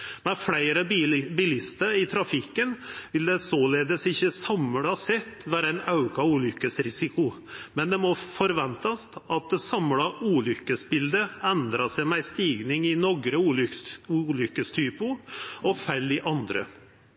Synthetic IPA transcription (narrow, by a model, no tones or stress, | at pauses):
mɛflæɪɾəbɪlɪst̪əɾɪt̪ʰɾɑfɪkːənʋɪld̪ɛsoːleːd̪əsɪçːəsɑmːəɽɛhɑsɛt̪ːʋæːɾəæɪnɑʉkʰɑuːlʏkːəsɾɪsɪkʊ | mɛnd̪ɛmɔfɔɾʋɛnt̪ɑst̪ʔɑt̪̚d̪ɛsɑmlɑʔuːlʏkːəsbɪld̪əɛnd̪ɾɑsɛɪmæɪst̪iːɡnɪŋɪnɔɡɾəuːuːlʏkːəst̪ʰyːpʊɔfæɪlːɪʔɑnd̪ɾə̰